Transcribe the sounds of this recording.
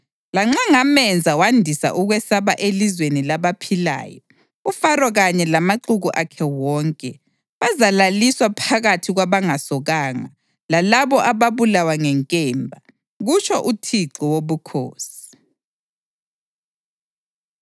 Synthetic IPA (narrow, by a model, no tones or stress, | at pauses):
laŋ͡ǁaŋamɛnd͡zʱawandʱisa̰ʔuɣwɛsaβaʔelizwenilaβapʰila̰ːjɔ | ufarwɔɣaɲɛlamaǃuɣuʔakʰɛwɔːŋkʼɛ | βazalaliswapʰaɣatʰiɣwaβaŋasɔɣaːŋa̰ | lalaβɔʔaβaβulawaŋɛŋkʼɛːmbʱa | ɣut͡ʃʰʼɔʔutʰiǁɔwoβukʰoːsi̥